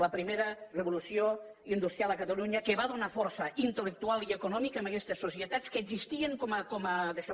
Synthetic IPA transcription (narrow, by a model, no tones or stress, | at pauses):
ləpɾimeɾərəβulusioind̪ust̪ɾjalˠəkət̪əluɲəkeβaðunafɔɾsəʔint̪ələk̚t̪ualˠiəkunɔmikəməkɛst̪əsːusiət̪at͡skəeɡzist̪ieŋkoməkoməðeʃa